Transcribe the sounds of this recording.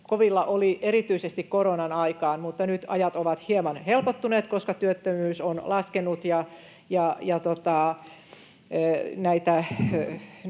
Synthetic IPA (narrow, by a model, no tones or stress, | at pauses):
koʋilːɑʔolierit̪yisest̪ikkoronɑnɑikɑːnmut̪ːɑnyt̪ɑjɑt̪oʋɑt̪hiemɑnhelpot̪ːuneːt̪koskɑt̪yøt̪ːømyːsonlɑskenut̪jɑ | jɑjɑt̪ot̪ɑˑ | næit̪æ